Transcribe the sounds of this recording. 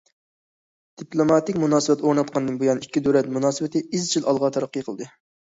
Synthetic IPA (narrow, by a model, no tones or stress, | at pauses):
d̪̥iplˠomɑt̪ɪkʲmunɑːsɨbɛt̪oɾnɑt̪qʰɑnd̪ɨnbujɑnikʲːid̪øɾɛt̪munɑːsɨbɪt̪ʰɪʔizt͡ʃʰilʔɑlˠʁɑt̪ʰɑɾɑqːəjqʰəlˠɨd̪ɨ